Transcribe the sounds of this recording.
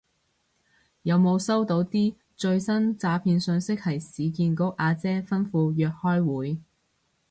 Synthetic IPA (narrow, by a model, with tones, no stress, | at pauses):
jɐ˨˧wmo˨˧wsɐ˥wt̪o˨˧˥wt̪iː˥ | t͡ʃɵ˧ɥsɐ˥nt͡saː˨˧pʰiː˧nsɵ˧nsɪ˥k̚hɐ˨˩jsiː˨˧kiː˧nko˨˥kʔaː˧t͡sɛː˥fɐ˥nfuː˧jœː˨k̚hɔː˥jwuː˨˥j